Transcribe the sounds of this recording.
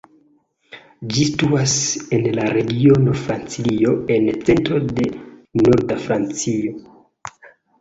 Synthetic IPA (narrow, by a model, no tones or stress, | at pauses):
d͡ʒistuase̞nlaɾe̞ɡio̞no̞fɾant͡silio̞e̞nt͡se̞ntɾo̞de̞noɾdafɾant͡sio̞